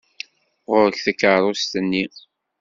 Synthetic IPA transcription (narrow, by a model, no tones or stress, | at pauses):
ʁʊɾəçθəkːəɾˤʊst̪ənːi